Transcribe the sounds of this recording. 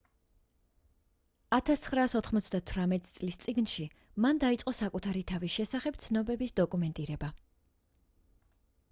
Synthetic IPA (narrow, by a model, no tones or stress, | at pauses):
at̪ʰast̪sʰχɾaːsɔt̪ʰχmɔt̪sʰd̪at̪ʰvɾamɛt̪ʼit̪sʼlist̪sʼiɡnʃi | mand̪ait̪sʼqʼɔsakʼut̪ʰaɾit̪ʰaviʃɛsaχɛb̥̚t̪sʰnɔbɛbisd̪ɔkʼumɛnt̪ʼiɾɛba